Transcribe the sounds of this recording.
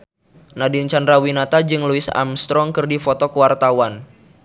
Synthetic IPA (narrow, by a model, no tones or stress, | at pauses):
nadint͡ʃandɾawinat̪ad͡ʒɨŋluɪsa̰mst̪ɾɔŋkɨrdifot̪ɔkuwart̪awan